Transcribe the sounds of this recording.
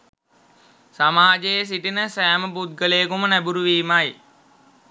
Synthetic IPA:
samaːd͡ʒejes̬iʈinəsæːməbud̪̚ɡəlejəkumənæbuɾuʋiːmaj

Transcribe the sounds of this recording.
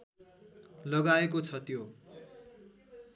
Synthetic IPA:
lʌɡaekot͡sʰʌt̪jo

